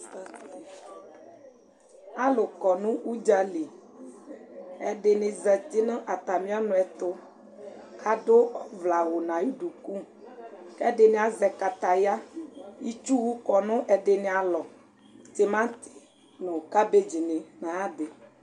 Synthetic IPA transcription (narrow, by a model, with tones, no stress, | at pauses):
a˦lʊ˨kɔ˨nũ˦ʔu˦d͡ʒa˦li˨ | ɛ˨ɖe˨ne˨zə˨t̪i˦nə̃˦ʔa˨t̪a˨mĩ˦a˦nʊ̃˨˦ɛ˨t̪ʊ˦ | ka˨ɖʊ˦ɔ˦vla˨wo˨nã˨ji˦ɖu˨ku˦ | kɛ˦ɖe˨ne˨a˨zɛ˨ka˨t̪a˨ja˦i˦t͡ʃu˦wu˦kɔ˨nʊ̃˦ʔɛ˨ɖe˨ne˨a˨lɔ˨ | t̪e˨mã˦t̪i̥˨ | nõ˨ka˦be˦d͡ʒi˨ne˨nã˨a˦de˨